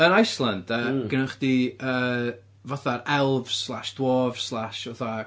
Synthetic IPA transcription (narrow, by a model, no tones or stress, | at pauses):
ənajslˠəndəɡ̥ənəχd̥iəː | vɔθaɾɛlˠvslˠaʃd̥woːv̥slˠaʃɔða